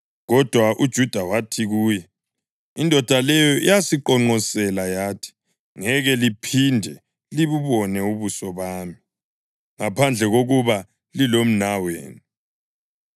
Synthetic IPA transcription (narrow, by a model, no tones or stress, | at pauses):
ɣɔd̥ʱwaʔud̥ʒ̥ʱud̥ʱawatʰiɣuːjɛ | indʱɔd̥ʱalɛjɔʔḭjasiǃɔŋ͡ǃɔsɛlajaːtʰi̥ | ŋɛɣɛlipʰindʱɛ | liβuβɔnɛuβusɔβaːmi | ŋapʰand͡ɮʱɛɣoɣuβa | lilom̩nawḛːnu